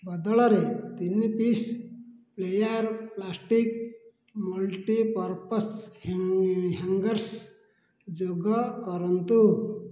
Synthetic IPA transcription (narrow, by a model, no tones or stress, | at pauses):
bəd̪ɭʌɾet̪inːipisplejaɾplasʈik̚ | mulʈipəɾpəshɦaŋɡəɾs | d͡ʒoɡəkɔɾənt̪u